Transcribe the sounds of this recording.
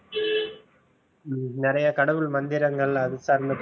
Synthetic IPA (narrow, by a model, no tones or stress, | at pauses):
nɪɾɐjɐkɐɽɐʋɯɭmɐnd̪ɪɾɐŋɡɐɭɐðɪsaːɾnd̪ɯp